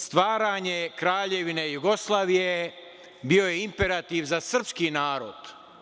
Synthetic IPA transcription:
st̪ʋaːɾaːɲe̞kɾaːʎe̞ʋinejuɡoslˠaːʋije | bio̞jeimpe̞ɾat̪iʋzasr̩pskinaːɾo̰d̪̥

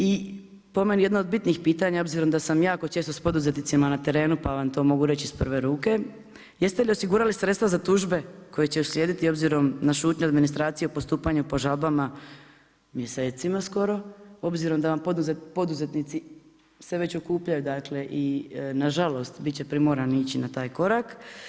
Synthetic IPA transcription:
i | po̞me̞nije̞d̪noːd̪̚bit̪nixpiːt̪aɲao̞bziɾo̞md̪asamjaːkot͡ʃe̞ːst̪o̞spo̞d̪uzet̪nit̪imanat̪e̞ɾe̞ːnupaʋamt̪o̞ːmo̞ɡuɾe̞t͡ɕispr̩ʋe̞ɾuːke̞ | je̞st̪elio̞siɡuːɾalisɾe̞t̪t̪ʋazat̪uʒbe̞ko̞jet͡ɕe̞usljeːd̪it̪io̞bziɾo̞mnaʃuːt̪ɲoad̪minist̪ɾaːt̪sijeopo̞st̪uːpaɲupo̞ʒalbama | mje̞se̞ːt̪simasko̞ɾo̞o̞bziɾo̞md̪aʋampopo̞d̪uze̞t̪nit̪si | seʋe̞t͡ɕo̞kuːpʎajud̪akle̞ʔinaʒalo̞st̪bit̪t͡ɕe̞pɾimoɾaniːt͡ɕinat̪aːjko̞ɾak

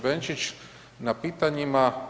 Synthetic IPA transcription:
bent͡ʃit͡ʃ | napiːt̪aɲima

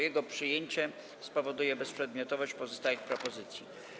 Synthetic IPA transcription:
jɛɡɔpʂɘjeɲt͡ɕɛ | spɔvɔd̪ujɛbɛspʂɛd̪̚mʲjɔt̪ɔvɔɕt͡ɕpɔzɔst̪ajɛxpɾɔpɔzɘt̪sʲji

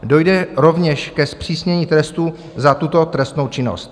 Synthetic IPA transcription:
do̞jdɛɾo̞vɲɛʃkɛspr̝̥iːsɲɛɲiːt̪ɾɛst̪u | zat̪ut̪o̞t̪ɾɛst̪no̞wt͡ʃɪno̞̰st̪̚

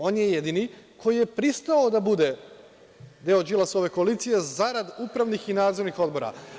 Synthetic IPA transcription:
o̞ːnje̞je̞d̪inikʰo̞jije̞pɾist̪aod̪abud̪e̞ | d̪eːod͡ʒilaso̞ʋe̞ko̞alit̪sije̞zaɾad̪upɾaʋnixinaːd̪zo̞ɾnixo̞d̪bo̞ɾa̰

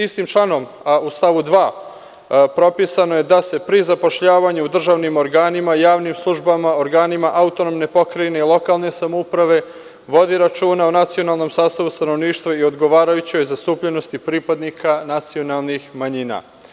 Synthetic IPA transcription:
ist̪imt͡ʃlˠano̞m | ust̪aʋud̪ʋaː | pɾo̞pisanoje̞d̪ase̞pɾizapo̞ʃʎaːʋaɲuud̪r̩ʒaʋnimo̞ɾɡaːnimajaːʋnimslˠuʒbamao̞ɾɡaːnimaʔaut̪o̞nomne̞po̞kɾaine̞ilˠo̞kalˠne̞samoupɾaʋe̞ | ʋo̞d̪iɾat͡ʃuːnaonat̪sio̞nalˠno̞msaːst̪aʋust̪ano̞ʋniːʃt̪ʋaio̞d̪ɡo̞ʋaːɾajut͡ɕojzast̪uːpʎe̞no̞st̪ipɾiːpad̪nikʰanat̪sio̞nalˠnixmaɲina̰

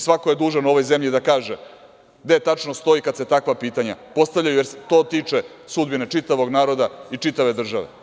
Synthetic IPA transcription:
sʋako̞jed̪uːʒanuo̞ʋo̞jzemʎid̪akaːʒe | d̪e̞t̪at͡ʃnost̪o̞ikad̪set̪akʋapiːt̪aɲapo̞st̪avʎʲajujeɾset̪o̞ːt̪it͡ʂesud̪binet͡ʂit̪aʋo̞ɡnaːɾo̞d̪ait͡ʂit̪aʋe̞d̪r̩ʒaʋḛ

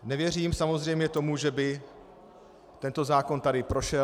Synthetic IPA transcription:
nɛvjɛr̝iːmsamo̞zr̝ɛjmɲɛt̪o̞muʒɛbɪ | t̪ɛnt̪o̞zaːko̞nt̪adɪpɾo̞ʃɛ

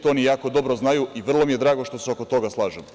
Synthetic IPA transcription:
t̪oːnijaːko̞d̪o̞bɾo̞znajuiʋr̩lˠo̞mije̞d̪ɾaːɡo̞ʃt̪o̞seoko̞t̪o̞ɡaslˠaːʒem

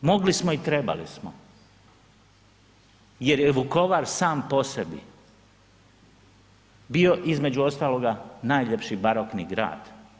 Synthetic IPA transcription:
mo̞ɡlismoit̪ɾe̞ba̰lḭsmo | je̞ɾjeʋuko̞ʋaɾsaːmpo̞sebḭ | bio̞ʔizme̞d͡ʑuo̞st̪aːlo̞ɡanajʎe̞pʃibaɾokniɡɾa̰ːd̪̥

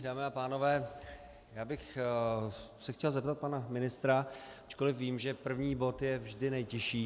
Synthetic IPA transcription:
daːmɪapaːno̞vɛː | jaːbɪx | sɛxcɛlzɛpt̪at̪̚panamɪnɪst̪ɾaat͡ʃko̞lɪfviːmʒɛpr̩vɲiːbo̞t̪jɛvʒdɪnɛjcɪʃiː

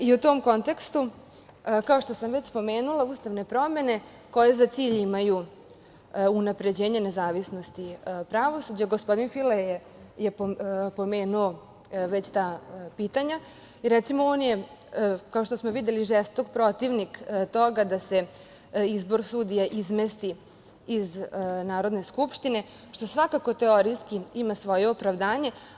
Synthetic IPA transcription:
iut̪omko̞nt̪e̞kst̪u | kao̞ʃt̪o̞samʋe̞t͡ɕspo̞me̞ːnulauːst̪aʋne̞pɾo̞me̞ne̞ | ko̞jezat̪siːʎimaju | unapɾe̞d͡ʑeːɲanezaːʋisno̞st̪ipɾaʋo̞sud͡ʑaɡospo̞d̪infileje | jeppo̞me̞ːnuo | ʋet͡ɕt̪aːpiːt̪aɲa | iɾɛt̪simoonje | kao̞ʃt̪osmoʋid̪jeliʒɛst̪okpɾo̞t̪iʋnikt̪o̞ɡad̪ase̞ | izbo̞ɾsud̪ijaʔizmest̪i | iznaːɾo̞d̪ne̞skupʃt̪ine̞ | ʃt̪osʋakako̞t̪eo̞ɾiskiimasʋo̞jeopɾaʋd̪aːɲe̞

